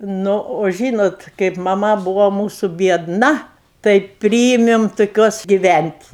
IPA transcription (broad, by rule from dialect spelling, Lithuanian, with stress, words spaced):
ˈnʊ oː ˈʒʲiːnoːt kɐɪp mɐˈmɐ ˈbuːʋoː ˈmuːsʊ bʲiɛdˈnɐ tɐɪ ˈpʲrʲiːɪmʲɪm tʊˈkʲuɔs ɡʲɪˈʋʲænʲtʲ